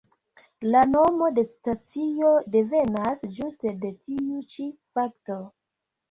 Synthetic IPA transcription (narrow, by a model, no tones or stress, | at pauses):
lano̞mo̞de̞stat͡sio̞de̞ve̞nasd͡ʒuste̞de̞tʰiut͡ʃifakto̞